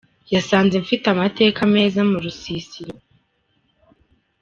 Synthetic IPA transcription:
jasaːnzeɱfitamate̞ːkame̞ːzamuɾusisiɾo

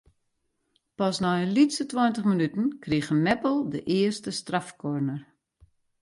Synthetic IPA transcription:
pɔsnɔjəlitsətwɔjntəχmənytən̩kriɣənmɛpəlˠdəʔɪərstəstrafkʰornər

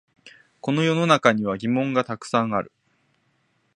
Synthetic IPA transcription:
ko̞no̞jo̞no̞nakaɲ̟iβ̞aɡʲimõ̞ŋɡat̪akɯ̟̥sãɰ̃aɾɯ̟

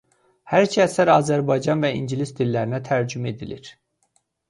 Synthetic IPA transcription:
hæɾcʰæsæɾɑːzæɾbɑjd͡ʒɑnvæiɲɟilisd̪ilːæɾinæt̪ʰæɾd͡ʒyme̞d̪iliɾ̥

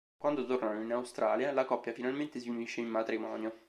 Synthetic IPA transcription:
kwand̪ot̪ornanoinawst̪ɾʔaːljalakɔpːjafinalment̪esiuniʃːeimːat̪ɾimɔ̰ːnjo

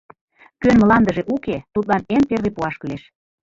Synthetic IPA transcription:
kønməlɑnd̪əʒeʔuket̪ut̪̚lɑnemperβepuɑʃkyleʃ

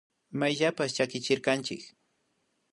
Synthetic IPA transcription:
majʎapast͡ʃakɪt͡ʃɪɾkant͡ʃɪ̰k

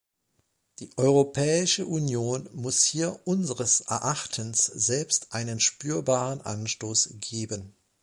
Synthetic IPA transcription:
d̥iːʔɔʏʁopʰɛːɪʃəʔunjoːnmʊshiːɐʔʊnzəʁəsʔɛ̰ɐʔaχtʰənsz̥ɛlpstʔaɪnənʃpyːɐbaːʁənʔa̰nʃtoːsɡ̥eːbən

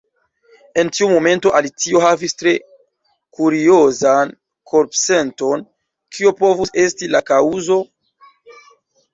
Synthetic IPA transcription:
e̞ntiumo̞me̞nto̞ʔalit͡sio̞ɦavistɾe̞ | kuɾio̞zan | kʰo̞ɾpse̞nto̞n | kʰiopo̞vuse̞stilakauzo̞

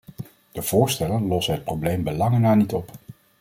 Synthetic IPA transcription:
d̥əv̥ʊːɹstɛlənlɔsənɦət̚prowblejmbəlɑŋənaːɹnitɔp

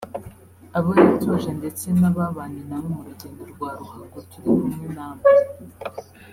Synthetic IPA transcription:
aβojatuʒe̞nde̞t͡se̞naβaβaːɲinamoɾuɟeːndoɾɡwaːɾukaɡotuɾimumŋinaːma

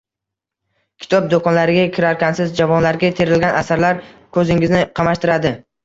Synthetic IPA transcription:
kʲʰɪ̥t̪ʰɒp̚d̪okʰɒnlaɾɪɡʲakʲʰɪɾaɾkʲansɪzd͡ʒavɒnlaɾɡʲat̪ʰe̞ɾɪlɡʲanasaɾlaɾkʰɵzɪŋɪznɪqʰɑmaʃt̪ɪɾad̪ɪ

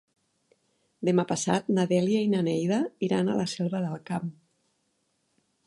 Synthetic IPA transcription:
d̪emapasat̪naðɛliainanɛjðaiɾana̰lasɛlˠβəðəlˠkam

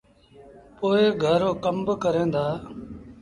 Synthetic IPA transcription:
poːeːɡʱəɾoːkəmbkəɾẽːnd̪aː

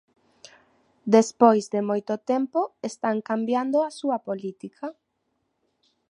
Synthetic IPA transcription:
d̪espojzd̪emojt̪ot̪empoest̪aŋkambjand̪oasuɐpolit̪ikʰɐ

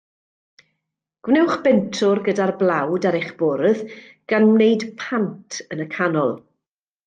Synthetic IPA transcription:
ɡ̥wnɛwχb̥ɛntʰʊrɡədarblˠawdaɾejχb̥ɔɾəð | ɡ̥anmneɨdpʰantʰənəkʰanɔlˠ

